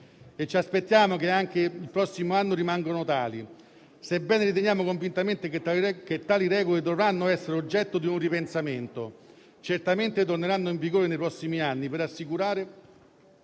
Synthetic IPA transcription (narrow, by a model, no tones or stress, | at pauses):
et͡ʃːiaspet̪ːjaːmokeaŋk̟eilpɾɔsːimoanːoɾimaŋɡonʊt̪aːli | sebɛːneɾit̪̬eɲjaːmokoɱvint̪ament̪eket̪ːaːliɾɛːɡoled̪ovɾanːoɛsːeɾeod͡ʒːɛt̪ːod̪iunripensament̪o | t͡ʃert̪ament̪et̪̬orneɾanːoiɱviɡoːɾenejpɾɔsːimianːipeɾasːikuɾaːɾe